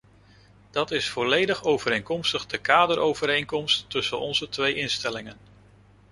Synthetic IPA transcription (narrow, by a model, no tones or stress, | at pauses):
d̥ɑtɪsfɔlejdəχowvəɾejŋkɔmstəχdəkaːdəɾowvəɾejŋkɔmstːɵsənɔnzətʋejʔɪnstɛlɪŋən